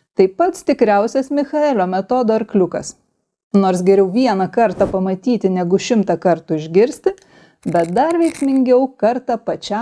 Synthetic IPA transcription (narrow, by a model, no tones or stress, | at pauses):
t̪ɐɪpɐt̪st̪ʲɪkɾʲæˑʊsʲɛsmʲɪxɐɛlʲoːmʲɛt̪oːd̪oːɐɾklʲʊkɐ̰s | noːɾsɡʲɛɾʲɛʊʋʲiɛnɐkɐɾt̪ɑpɐmɐt̪ʲiːt̪ʲɪnʲɛɡʊʃʲɪmt̪ɑkɐɾt̪ʊɪʒʲɡʲɪɾʲsʲt̪ʲɪ | bʲɛt̪̚d̪ɐɾʋʲɛɪksʲmʲɪŋʲɡʲɛʊkɐɾt̪ɑpɐt͡ʃʲæ